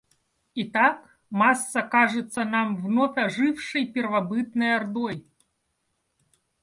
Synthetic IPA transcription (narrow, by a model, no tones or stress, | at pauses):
it̪ak | masːɐkaʐɨt̪sːɐnamvnɔfʲɐʐɨwʂɨjpʲɛrvabɨt̪̚nɐjard̪ɔj